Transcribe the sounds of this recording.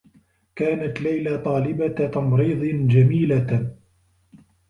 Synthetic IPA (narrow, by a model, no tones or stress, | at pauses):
kaːnat̪lajlat̪ˤɑːlɪbat̪ɑmɾiːd̪ˤɨnd͡ʒamiːla